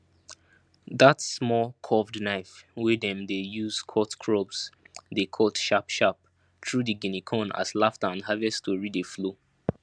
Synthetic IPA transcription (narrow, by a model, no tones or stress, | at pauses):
ðatsmɔlkʰɔvdnaɪfwɛdɛ̃mdejuzkʰɔtkʰɹɔbs | dekʰɔtʃapʃap̚ | tʰɹudiɡinikʰɔ̃na̰slaftãnɦavɛstʰuɹidəflo